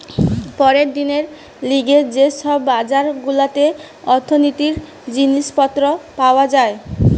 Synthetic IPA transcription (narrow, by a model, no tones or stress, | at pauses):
pɔɾed̪ineɾ | liɡed͡ʑeʃɔbːad͡ʑaɾɡulat̪e | ɔɾt̪ʰːonit̪iɾ | d͡ʑiniʃpɔt̪ːɾopaoad͡ʑae